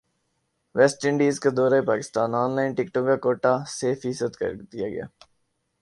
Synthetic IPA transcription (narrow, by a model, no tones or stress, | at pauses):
ʋɛːsʈɪɳɖiːzked̪ɔːɾaepaːkɪ̥st̪aːnaːnlaːɪnʈɪkʈõkkakoːʈaseːfiːsəd̪kɐ̰ɾd̪ijaɡɐ̰ja̰ː